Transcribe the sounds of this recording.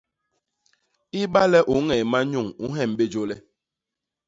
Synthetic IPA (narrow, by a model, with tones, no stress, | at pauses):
i˦ba˦lɛ˦ʔu˨˦ŋɛ˨jma˦ɲu˦˨ŋu˨˦ɦɛ˨m˨be˦d͡ʒo˦lɛ˦